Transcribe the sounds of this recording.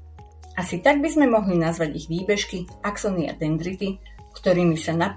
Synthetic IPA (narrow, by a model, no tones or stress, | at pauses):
ʔasit̪aɡ̚bizmɛmɔɦlinazʋaɟiɣʋiːbɛʃkiaksɔnia̰d̪ɛnd̪ɾit̪i | kt̪ɔɾiːmisana